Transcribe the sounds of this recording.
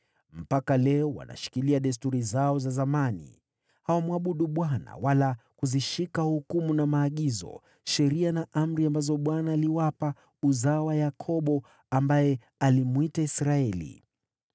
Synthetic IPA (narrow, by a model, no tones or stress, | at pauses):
m̩pakalɛɔwa̰na̰ʃi̥kiliaɗɛs̬tuɾizaɔzazamanḭ | hawamwaɓuɗuɓwana̰walakuziʃikahukumunamaːɠizɔ̰ | ʃɛɾianaʔam̩ɾiambazɔɓwanaːliwapa | uzawajakʰɔɓɔ | ambajɛ | alimuitaisɾaɛlḭ